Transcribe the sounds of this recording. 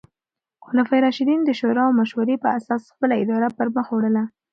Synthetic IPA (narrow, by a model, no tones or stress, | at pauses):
xʊlɑfajɾɑʃɪd̪ind̪əʃoɾɑwmaʃwaɾepəasɑsxpəlaɪd̪ɑɾapəɾməxowɽəla